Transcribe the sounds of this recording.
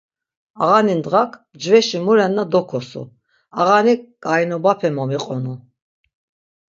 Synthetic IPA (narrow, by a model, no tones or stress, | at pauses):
aʁanind̪ʁakʰ | d͡ʒvɛʃimuɾɛnːad̪ɔkʰɔsṵ | aɣanikʼajnɔbapʰɛmɔmiqʼɔnu